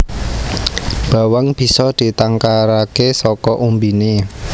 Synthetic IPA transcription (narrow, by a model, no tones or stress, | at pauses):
b̥a̤waŋb̥i̤sɔd̪̥i̤t̪aŋkaɾakesɔkɔʔumbine